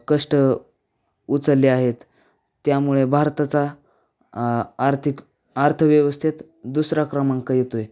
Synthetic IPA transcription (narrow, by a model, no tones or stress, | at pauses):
kəʂʈə | ut͡səlːeaɦet̪ː | jamuɭebʱaɾt̪at͡sa | ɾt̪ʰik | aɾt̪ʰəʋjəʋəst̪ʰit̪ | d̪usɾakɾəmãŋkajet̪oe